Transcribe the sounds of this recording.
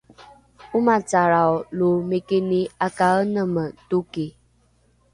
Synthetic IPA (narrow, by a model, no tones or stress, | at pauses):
umataɾaɔlomekeneakaənəmətoke